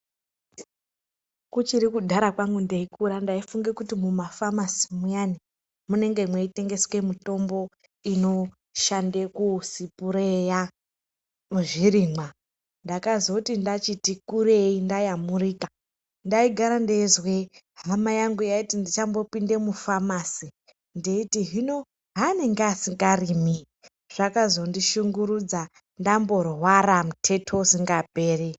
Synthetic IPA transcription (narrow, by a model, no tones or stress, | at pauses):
kut͡ʃiɾikudʱaɾakwaŋɡundeikuɾandaifuŋɡe̞kutimumafamasi̥mujani | mune̞ŋɡe̞mweite̞ŋɡe̞swe̞muto̞mbo̞ | ino̞ | ʃandekusipuɾeja | muʐiɾiːmwa | ndakazokutindat͡ʃitikuɾeindajamuriːka | ndaiɡʱaɾandezwe | ɦamajaŋɡujaitindit͡ʃambo̞pinde̞mufamasi | ndeitiɦino̞ | ɦane̞ŋɡeasiŋɡarimi | ʐ̥akazo̞ndiʃuŋɡuɾud͡za | ndambo̞rwaɾamutʰe̞tʰo̞siŋɡabʱeːre